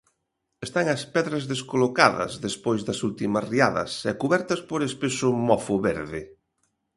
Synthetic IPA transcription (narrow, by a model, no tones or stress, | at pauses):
est̪aŋɐspɛðɾɐzðeskolokaðɐ̰zðespojzðɐsult̪imɐsriaðɐ̰sɛkuβɛɾt̪ɐspoɾespesʊmɔfʊβɛɾðɪ